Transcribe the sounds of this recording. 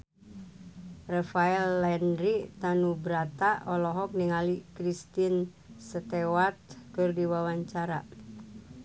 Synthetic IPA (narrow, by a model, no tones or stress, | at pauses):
rafaɛlːɛnɾit̪anubɾat̪aʔɔlɔɦɔk̚niŋalikɾist̪in | sət̪ewat̪̚kɨrdiwawaɲt͡ʃaɾa̰